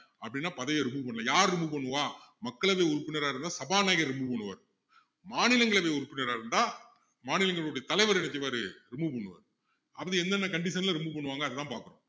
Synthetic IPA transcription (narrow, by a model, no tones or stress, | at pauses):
ɐpːɐɽɪnːaːpɐðɐjɐɾɪmuːpɐɳːlɐjaːɾɾɪmuːpɐɳːɯʋaːmɐkːɐɭɐʋeːʊɾʊpːɪnɐɾaːɪɾɯnd̪aːsɐbaːnaːɪɣɐɾɾɪmupɐɳːɯʋɐ̰ɾ | maːnɪlɐŋɡɐɭɐʋeːʊɾʊpːɪnɐɾaːɪɾɯnd̪aː | maːnɪlɐŋɡɐɭoɽɐjɐt̪ɐlɐɪʋɐɾɛnɐt̪ːɪʋaːɾɯɾɪmuːpɐɳːɯʋɐ̰ɾ | ɐpːɐðɯɛnd̪ɐnːɐkɐɳɖɪsɐnlɐɾɪmupɐɳːɯʋaːŋɡɐɐðɐt̪ãːpaːɾkɯɾõ̰